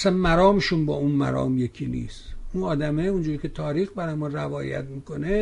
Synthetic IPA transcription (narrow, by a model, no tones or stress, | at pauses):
sænmæɾɒːmeʃunbɒːunmæ̰ɾɒ̰ːmje̞kʲʰiːnḭːst̪unɒːd̪æmeund͡ʒuːɾikʰʲe̞t̪ʰɒːɾiːxbæɾɒːjemɒnrævɒːjæ̰t̪miːko̞ne